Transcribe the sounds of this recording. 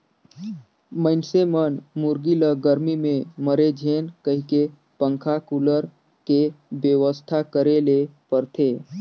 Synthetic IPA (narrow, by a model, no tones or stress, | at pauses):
məɪnsemənmuɾɡiləɡəɾmimẽməɾed͡ʒʱenkəɦike | pə̃ŋkʰakuləɾ | kebjəʋəst̪ʰakəɾelepəɾt̪ʰe